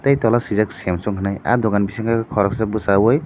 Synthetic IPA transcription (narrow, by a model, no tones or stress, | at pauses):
t̪ajt̪ɔlasizaksɛmsɔŋkʰanaja̰d̪ɔkanbisiŋkʰakkʰɔɾɔksabusawɔj